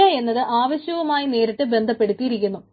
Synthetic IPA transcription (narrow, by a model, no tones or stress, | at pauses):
ae̞nːɐðɨʔaːʋɐɕjɐʋɐmaːjine̞ːɾɐʈːɨbe̞nd̪ʱɐpːe̞ɽut̪ːijiɾikʲːunːu